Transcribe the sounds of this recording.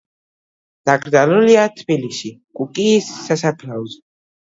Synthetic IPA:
d̪̥aɡʼɾd̪zaluliat̪ʰbiliʃikʼukʼiːsːasapʰlauz

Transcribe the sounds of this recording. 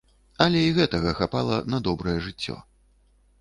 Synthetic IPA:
ɐlʲɛiɣɛt̪ɐɣɐxapalˠɐnɐd̪ɔbɾɐjɛʐɨt͡sʲːɔ̰

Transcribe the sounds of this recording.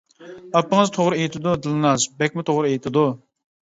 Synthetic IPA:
ɑpːəŋɨzt̪ʰoʁɾɨejt̪ʰɪd̪ud̪ɨlnɑzbɛk̚ʲmɪt̪ʰoʁɾɨejt̪ʰɪd̪u

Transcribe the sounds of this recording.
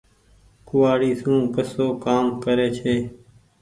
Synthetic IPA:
kʊʋaːɽiːsũːkəsoːkaːmkəɾeːt͡ʃʰeː

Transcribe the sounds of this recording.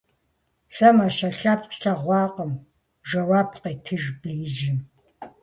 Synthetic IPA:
sɐmaːʃɐɬɐpqɬɐʁʷɑːqəm | ʒɐwaːpʰqeːtʰɨʒbɨjʒɪm

